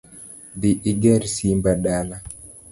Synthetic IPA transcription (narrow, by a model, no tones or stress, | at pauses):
diʔiɡɛɾsimbaɗala